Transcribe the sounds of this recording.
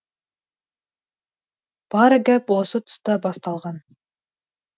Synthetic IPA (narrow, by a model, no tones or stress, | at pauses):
b̥ɑɾɯɡæposut̪ʊ̥st̪ɑbɑst̪ɑlˠʁɑn